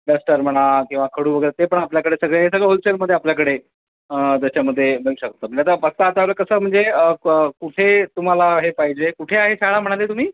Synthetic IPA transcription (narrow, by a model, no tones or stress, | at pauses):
basʈəɾm̤əɽ̃akĩw̃ʋakʰəɽuːʋəɡəəɾt̪epəɳapljakəɽesəɡɭeɦes̬əɡɭeɦolt͡ɕelməd̪ʱːjeapljakəɽe | əd͡z̪aɕjaməd̪ʱːjebeŋɕəkət̪ːam̤əɳd͡ʑejat̪abəɡ̚t̪aːt̪aaʋləkəsəːm̤əɳd͡zeəəkuʈʰet̪um̤alaɦepaɦid͡ʑekuʈʰeaɦesaɭam̤əɽ̃alet̪um̤iː